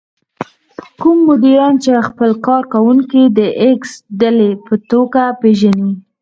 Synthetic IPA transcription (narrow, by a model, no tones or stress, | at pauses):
kumːʊd̪iɾɑnt͡ʃexpəlkɑɾkawuŋkid̪əʔɪksd̪alepət̪oɡapeʒani